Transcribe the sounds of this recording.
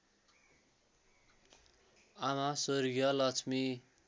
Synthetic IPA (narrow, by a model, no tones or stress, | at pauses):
amasorɡjʌlʌt͡sʰmi